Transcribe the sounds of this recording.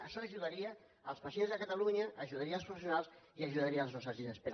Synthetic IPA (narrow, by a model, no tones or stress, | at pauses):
əʃɔːʒuðaɾiəː | lˠspɐsienzðəkət̪əluɲəʔːʒuð̞aɾiəlˠpɾufesjunalˠsiəʒuðaɾiəlˠznɔst̪ɾəzðiðəspe